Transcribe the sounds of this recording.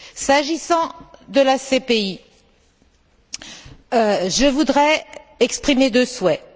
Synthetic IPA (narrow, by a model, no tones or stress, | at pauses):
saʒisɑ̃d̪əlasepei | ʒəvud̪ʁɛɛkspχimed̪øswɛ